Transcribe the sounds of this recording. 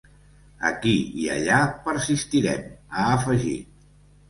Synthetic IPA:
ə̰kiiə̰ʎapəɾsist̪iɾɛ̰məːfəʒḭ

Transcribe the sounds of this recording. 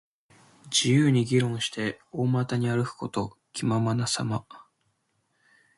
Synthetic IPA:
d͡ʑijɯːɲ̟iɡʲiɾõ̞ɰ̃ɕi̥t̪e̞oːmat̪aɲ̟iaɾɯ̟kɯ̟̥ko̞t̪o̞ | kʲimamanasama

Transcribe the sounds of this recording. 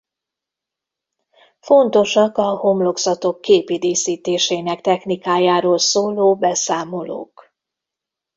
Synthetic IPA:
fo̞nt̪o̞ʃɒkɒho̞mlo̞ɡzɒt̪o̞kːeːpid̪iːsiːt̪eːʃeːnɛkt̪ɛxnikaːjaːɾoːlsoːloːbɛsaːmo̞lo̰ːk

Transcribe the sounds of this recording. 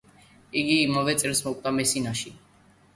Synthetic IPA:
iɡiːmavɛt̪sʼɛɾsmɔkʷʼt̪ʼamɛsinaʃi

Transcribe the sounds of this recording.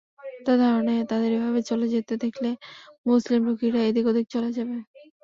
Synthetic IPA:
t̪ad̪ʱaɾonet̪ad̪eɾebʱaβet͡ɕɔlod͡ʑit̪ːed̪ekʰlemuslimɾukiɾaed̪ikod̪ik̚t͡ɕoled͡ʑabe

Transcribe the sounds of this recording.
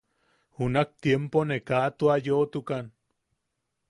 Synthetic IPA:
hunak̚t̪jemponekaʔt̪uajoːt̪ukan

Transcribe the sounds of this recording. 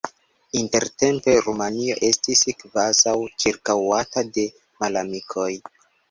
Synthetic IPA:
inte̞ɾte̞mpe̞ɾumanio̞ʔe̞stiskvazawt͡ʃiɾkawatade̞ | malamikʰo̞j

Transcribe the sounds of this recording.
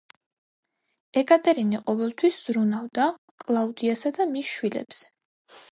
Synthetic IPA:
ɛkʼat̪ʼɛɾiniqʼɔvɛlˠt̪ʰwisz̥ɾunavd̪a | kʼlˠaud̪iasad̪amisʃwilɛ̰bz̥ɛ̥

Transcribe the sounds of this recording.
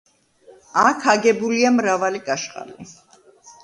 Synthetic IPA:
akʰaɡɛbuliamɾavalikʼaʃqʼa̰lḭ

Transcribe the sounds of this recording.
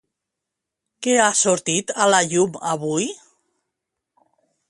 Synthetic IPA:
keasuɾt̪it̪alaʎuma̰βuj

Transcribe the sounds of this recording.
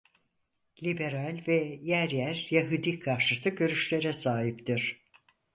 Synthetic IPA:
lʲibe̞ɾalʲvɛjæɾjæɾjaɦud̪ikʰaɾʃɯt̪ɯɟø̞ɾyʃlʲe̞ɾɛsaːɦipt̪iɾ̥

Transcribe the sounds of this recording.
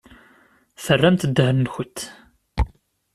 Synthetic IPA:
θərːæmt̪d̪ːəhnːçət̪ː

